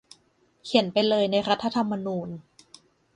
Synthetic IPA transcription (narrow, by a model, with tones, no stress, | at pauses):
kʰi˩˦npa˧jlɤː˧jna˧jɾa˦˥t̪ʰːa˧t̪ʰa˧mːa˧nuː˧n